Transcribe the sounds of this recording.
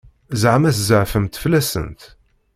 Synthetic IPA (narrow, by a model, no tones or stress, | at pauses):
zʕmæθzəʕfəmt̪flæsə̰nt̪